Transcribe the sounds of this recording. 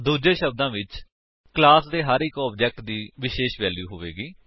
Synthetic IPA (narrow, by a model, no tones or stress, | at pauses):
d̪uːd͡ʒẽːʃəb̚d̪ãːʋɪt͡ʃ | klaːsd̪eːɦaːɾikɔːb̚d͡ʒɛːk̚ʈd̪iːʋɪʃeːʃʋɛːljuːɦoːʋḛːɡiː